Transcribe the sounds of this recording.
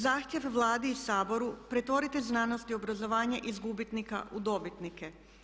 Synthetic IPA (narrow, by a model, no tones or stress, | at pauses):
zaːxt̪jeʋʋlˠaːd̪iːsaːbo̞ɾupɾe̞t̪ʋo̞ɾit̪eznanost̪io̞bɾazo̞ʋaːɲaʔizɡubit̪nika̰ʔud̪o̞bit̪nike